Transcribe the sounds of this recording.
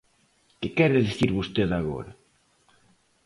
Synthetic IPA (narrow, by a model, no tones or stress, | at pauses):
kɪkɛɾɪðiθiɾβost̪eðaɣo̰ɾa